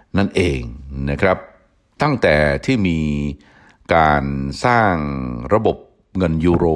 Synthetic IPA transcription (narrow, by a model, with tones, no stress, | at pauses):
na˥˩nʔeː˧ŋna˦˥kʰɾa˦˥p̚ | t̪a˥˩ŋt̪ɛː˨˩t̪ʰiː˥˩miː˧ | kaː˧nsaː˥˩ŋɾa˧bo˨˩p̚ | ŋɤ˧nju˦˥ɾoː˧